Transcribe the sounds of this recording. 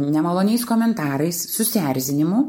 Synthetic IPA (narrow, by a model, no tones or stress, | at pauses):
nʲɛmɐlˠoːnʲɛɪskoːmʲɛnt̪ɑːɾɐɪsːʊsʲæːɾʲzʲɪnʲɪmʊ